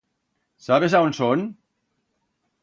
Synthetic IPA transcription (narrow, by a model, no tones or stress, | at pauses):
saβezaonson